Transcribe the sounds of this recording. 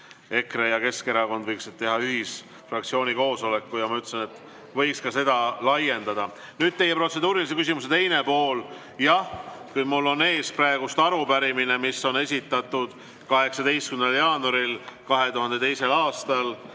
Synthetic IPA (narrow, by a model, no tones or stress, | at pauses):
e̞kre̞jɑke̞ske̞ɾɑko̞nd̪vɤjksid̪̚t̪ːe̞ɦɑyɦis | frɑkt̪sio̞ːnʲiko̞ːso̞le̞kːujɑmɑyt̪ːˑsene̞t̪ːˑ | vɤjkskɑse̞d̪̥ɑlɑje̞nd̪̥ɑd̪̥ɑ | nyːd̥̪̚t̪e̞jːe̞pro̞t̪se̞d̪uːɾilisekysimus̬e̞t̪e̞jne̞po̞ːl | jɑhkujmulːo̞ne̞ːsprɑeɡ̥ust̪ɑɾupæɾimine̞miso̞ne̞sʲit̪ːˑɑt̪ːˑud̪̥ | kɑɦe̞ksɑt̪e̞jst̪kyneljɑːnuɑɾilkɑɦe̞t̪uɦɑnd̪̥e̞t̪ejse̞lɑːst̪ɑl